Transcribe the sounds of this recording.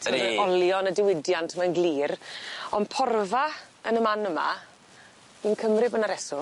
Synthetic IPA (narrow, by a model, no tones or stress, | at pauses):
tʰəɔlˠjɔnədɪwɪdjantʰmanɡlˠiːrɔnpʰɔrva | ənəmanəma̰ | inkʰəmrɪbənaɾɛsɔ